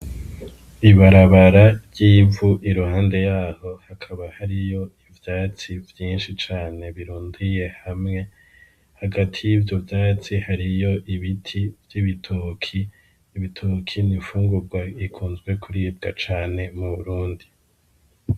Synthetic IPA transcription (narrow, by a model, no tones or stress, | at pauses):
iβaɾaβaɾaɾɟiːvuʔiɾuhaːnde̞jaːho̞hakʰaβahaɾijo̞ivjaːt͡sivjiːnʃit͡ʃaːne̞βiɾuːndije̞hamŋe̞ | haɡatʰijivjo̞vjaːt͡sihaɾijo̞ʔiβitʰivjiβitʰukʰiː | βitʰukʰinifuːŋɡuɾɡwaikʰuːnzɡwe̞kʰuɾib̚ɡat͡ʃaːne̞muβuɾuːndi